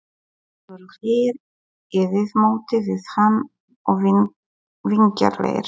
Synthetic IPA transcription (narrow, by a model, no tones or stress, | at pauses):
ɔɾhɪɾ | ɪðɪðmoːwt̪ɪvɪðhanː | ɔɣ | viɲca̰ɾlḛjɾ̥